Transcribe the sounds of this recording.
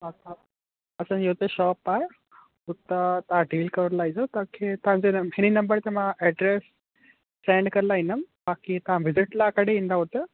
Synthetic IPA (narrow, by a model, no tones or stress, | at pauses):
ɦat̪ã | ɐsə̃nd͡ʑeɦt̪eʃɔːpaːe | ɦʊt̪ət̪ãɖiːlkəɾɾlaɦĩzot̪ãkʰet̪ãɲd͡ʑenɦɪninɐmbəɾt̪emãʔɛɖɾes | sẽɳɖkɐɾlaɦĩnəmbaːkit̪ɐɦãʋɪzɪʈlakəɽeĩːnd̪aɦot̪ə